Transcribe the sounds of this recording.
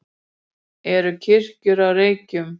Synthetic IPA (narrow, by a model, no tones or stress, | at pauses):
ɛɾʏcʰɪr̥cʏɾawreːjcʏm